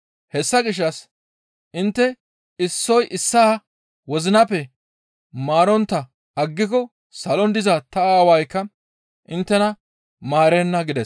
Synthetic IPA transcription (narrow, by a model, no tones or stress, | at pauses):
hɛsːɐɡɪʃ̬ːɐs | ʔɪnt̪ːɛ | ɪsːɔjʔɪsːaː | wɔzɪnɐpːɛ | maːɾɔnt̪ːɐ | ɐɡːɪk̬ɔ | sɐlɔnd̪ɪzɐt̪ɐaːwɐjkːɐ | ʔɪnt̪ːɛnɐ | maːɾɛnːɐɡɪd̪ɛs